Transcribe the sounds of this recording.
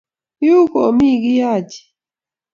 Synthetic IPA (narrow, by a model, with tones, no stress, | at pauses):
ju˦ko̰˨mi˦˨ɡi˦ja˦˨d͡ʒi̥˨